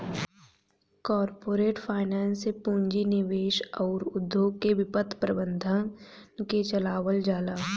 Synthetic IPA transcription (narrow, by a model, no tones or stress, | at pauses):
kɔːɾpoːɾeːʈfʰaːɪnɛːnsepũːɲd͡ʒinɪʋeːʃɔːɾʊd̪ʱjoːɡ̚keʋɪpət̪ʰpɾəbə̃nd̪ʱənket͡ʃɐlaːʋəld͡ʒaːlaː